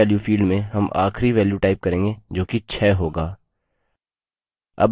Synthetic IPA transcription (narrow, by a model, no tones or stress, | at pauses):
ɛːljufiːlɖmẽɦɐmʔa̰ːxɾiʋɛːljuʈaːɪp̚kɐɾẽːŋɡed͡ʒoːkit͡ʃʰɛːɦoːɡaː | ɐ̰b